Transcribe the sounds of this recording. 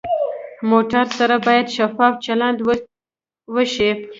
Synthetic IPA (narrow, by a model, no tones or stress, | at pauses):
moʈaɾsaɾabɑjad̪ʃafɑft͡ʃaland̪ | wəʃi